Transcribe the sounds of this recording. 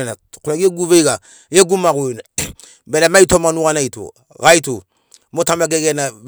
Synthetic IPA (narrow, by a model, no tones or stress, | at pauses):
nakuaɡieɡuβeiɡa | jeɡumaɣun | bɛɾemaitomanuɣanaito̰ | ɣaito | motamaɡeɡɛna